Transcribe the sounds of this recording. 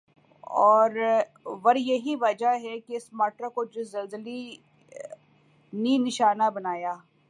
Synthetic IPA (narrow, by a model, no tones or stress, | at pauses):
ɔːɾ | ʋɐɾjɐɦiʋɐd͡ʒaɦɛkeɪsmaːʈɾakod͡ʒɪzɐlzəli | nĩnɪʃaːnabɐnaːjaː